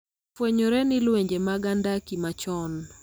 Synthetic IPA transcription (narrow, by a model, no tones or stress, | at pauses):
fweɲoɾɛnɪlweɲd͡ʒemaɡandakimat͡ʃɔn